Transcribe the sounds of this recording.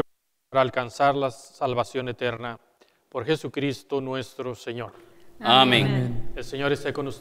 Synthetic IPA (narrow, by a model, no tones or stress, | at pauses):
ɾaːlkansaɾlasalβasjo̞ne̞t̪eɾna | po̞ɾxe̞sukɾist̪o̞nwe̞st̪ɾo̞seɲo̞ɾ | amẽŋelse̞ɲo̞ɾe̞st̪ekonus